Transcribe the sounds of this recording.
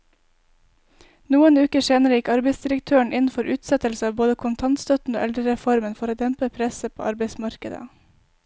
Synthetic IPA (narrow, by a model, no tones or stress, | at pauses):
nuːənʉːkəʃeːnəɾəjɪkɑɾbeɪsd̪ɪɾək̚t̪ʰøːəɳʔɪnn̩fɔɾʔʉːt̪sɛt̪əlsəɑːʋboːd̪əkʰʊnt̪ʰɑnt̪st̪œt̪n̩o̰ːʔɛld̪ɾəɾɛfɔɾmənfɔɾoːd̪ɛmpəpʰɾɛsəpʰo̰ːʔɑɾbeɪsmɑɾkəd̪ə̰